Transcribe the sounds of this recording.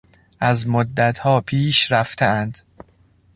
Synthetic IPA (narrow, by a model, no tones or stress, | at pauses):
ʔæzmod̪ːæt̪ʰhɒːpʰiːʃɾæft̪ʰeænd̪̥